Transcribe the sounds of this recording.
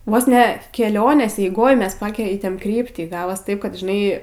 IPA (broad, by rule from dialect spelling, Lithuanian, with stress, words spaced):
ˈʋoːs nʲɛ kʲɛˈlʲoːnʲeːs ɛɪˈɡoːj ˈmʲɛs ˈpɑːkʲɛɪtʲeːm ˈkrʲiːpʲtʲiː ˈɡɑːʋoːs ˈtɐɪp kɐt ʒʲɪˈnɐɪ